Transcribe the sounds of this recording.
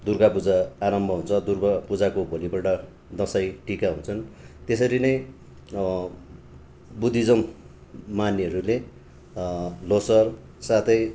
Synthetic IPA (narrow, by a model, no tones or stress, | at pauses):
d̪urɡapud͡zaːɾʌmbʱʌɦunt͡sʰʌd̪urbʌpud͡zakobʱolibʌʈʌ | d̪ʌsajʈikaɦũnt͡sʰʌnt̪esʌɾinʌj | bud̪ʱːid͡zʌmː | aniɦʌɾule | losʌr | sat̪ʰʌj